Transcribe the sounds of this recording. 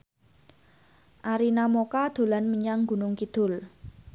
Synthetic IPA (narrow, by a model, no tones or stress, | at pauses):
ʔaɾinamokad̪̥o̤lanməɲaŋɡṳnʊŋkid̪̥ʊ̤l